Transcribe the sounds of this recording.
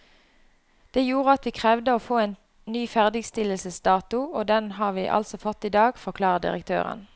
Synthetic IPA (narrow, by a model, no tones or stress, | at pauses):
d̪̥eːjuːʁəɑt̪ʋiːkʰʁɛːʋd̪əoːfoːeːn | nyːfæʁd̪ɪɡst̪ɪləlsəsd̪ɑːt̪ʊoːd̪ɛnhɑːʁʋiːʔɑ̰lsɔfɔt̪ːiːd̪ɑːɡfɔʁkʰlɑːʁəd̪ɪ̰ʁə̰k̚t̪ʰø̰ːʁə̰n